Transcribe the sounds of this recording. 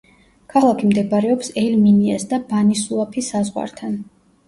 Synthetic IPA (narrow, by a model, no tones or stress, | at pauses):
kʰalˠakʰimd̪ɛbaɾɛɔpsɛlminiasd̪abanisuapʰisazʁwa̰ɾt̪ʰan